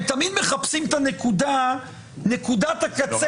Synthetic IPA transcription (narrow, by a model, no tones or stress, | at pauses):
t̪amid̪me̞χapsimt̪ane̞kud̪a | ne̞kud̪at̪akat͡se